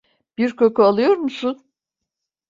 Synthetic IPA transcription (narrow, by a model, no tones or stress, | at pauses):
b̥iɾkʰo̞kʰualˠɯjo̞ɾmusun